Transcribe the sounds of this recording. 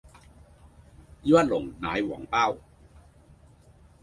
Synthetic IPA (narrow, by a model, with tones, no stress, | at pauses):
ju˥a˧˩t̪̚lo˨˦ŋna̰ː˨˦jwɔ̰˩˦ŋpaː˥˩w